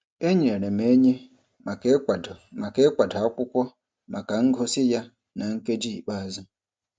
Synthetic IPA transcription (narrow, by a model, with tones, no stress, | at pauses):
e˦ɲi˨e˨ɾe˨me˨˦ɲe˦˨ | ma˨ke˦kʷa˨da˨ɔ˦kʷʊ˦kʷɔ˦ | ma˨ka˨ŋ̩˦ɡʱʊ˦sɪ˦ja˦ | na˨ŋ̩˦ke˦d͡ʒi˦˨k͡pa˦a˨zʊ˦